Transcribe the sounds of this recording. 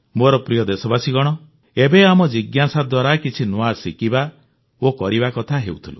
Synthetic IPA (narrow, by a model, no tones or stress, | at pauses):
moɾɔpɾijɔd̪esɔbasiɡɔɽ̃ɔ | ebeamɔd͡ʒiɡjasad̪waɾakit͡ʃʰinuasikiba | okɔɾibakɔt̪ʰaɦeut̪ʰilṵ